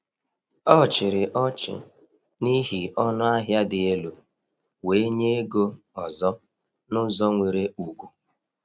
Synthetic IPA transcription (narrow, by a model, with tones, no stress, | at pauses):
ɔ˦˨t͡ʃɪ˨ɾɪ˨ʔɔ˦t͡ʃɪ̰˨ | ni˦ɦi˨ɔ˦nʊ˦a˦ɦja˦dɪ˨e˦lu˨ | we˨˦ɲe˦e˦ɡo˦ | ɔ˨zɔ˦ | nʊ˦zɔ˦ŋʷe˨ɾe˦u˨ɡʷu˦